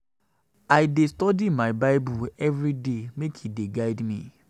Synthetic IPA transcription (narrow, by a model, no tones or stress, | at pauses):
aɪdestɔdimaɪbaɪbuɛvɹidemekʰideɡaɪdmĩ